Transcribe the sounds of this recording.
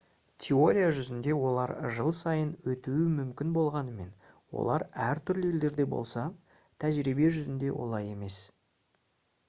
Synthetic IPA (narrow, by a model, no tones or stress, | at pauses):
t̪ʲʰe̞o̞ɾʲijaʒʏzɪnd̪e̞wo̞lˠɑɾʒəlˠsɑjənwɵt̪uɪmʏmkʲɪnbo̞lˠʁɑnəme̞n | wo̰lˠɑ̰ɾæɾt̪ʰʏɾlɪe̞ld̪e̞ɾd̪e̞bo̞̰lˠsɑ | t̪ʰæʒɾibe̞ʒʏzɪnd̪e̞wo̞̰lˠɑje̞me̞s